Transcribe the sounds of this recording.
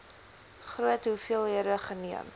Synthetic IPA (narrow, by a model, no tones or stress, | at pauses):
χruətɦufiəlˠiəɾəχəniə̰m